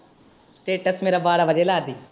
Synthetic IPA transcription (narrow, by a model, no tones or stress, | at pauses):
sʈeːʈəsmeːɾabaːɽaʋɐd͡ʒelaːd̪iː